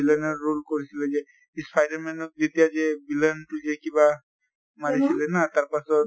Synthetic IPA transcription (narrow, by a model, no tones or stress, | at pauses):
ilənɔːolkɔɹisilɛzɛ | ispʰajdaɾmɛnɔk̚d̪it̪ijad͡ʒebilənʈud͡ʒekiba | maɾisilɛnat̪aɾpasɔ